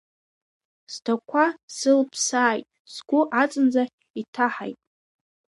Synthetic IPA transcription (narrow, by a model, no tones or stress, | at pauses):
z̥dʰakʷʰasɨlpʰsaːjtʼ | sɡʷʊʔat͡sʼɨnd͡za | itʰaħa̰jtʼ